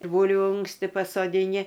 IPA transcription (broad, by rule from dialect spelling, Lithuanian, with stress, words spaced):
ˈbuːlʲʋʲʊ ˈʊŋksʲtʲɪ pɐsoːdʲɪˈnʲɪ